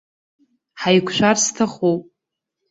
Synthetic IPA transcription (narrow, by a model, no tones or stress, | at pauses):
ħajkʷʰʃʷᶣarstʰaχowpʼ